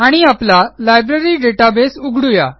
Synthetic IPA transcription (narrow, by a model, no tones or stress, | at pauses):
aɽ̃iaplalajbɾeɾiːɖeʈabesuɡʱɽuja̰